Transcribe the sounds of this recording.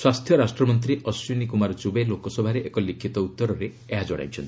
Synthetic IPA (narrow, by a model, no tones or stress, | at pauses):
swast̪ʰjɔɾasʈɾɔmɔnt̪ɾiʔɔswinikumaɾɔd͡ʒubelokɔsɔbʱaɾeʔekɔlikʰit̪ɔut̪ːɔɾɔɾeieɦad͡ʒɔɽa̰j̃t͡ʃʰɔnt̪i